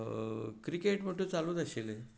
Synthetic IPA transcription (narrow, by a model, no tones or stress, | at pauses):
kɾikeʈməʈʰũt͡salũːd̪əɕele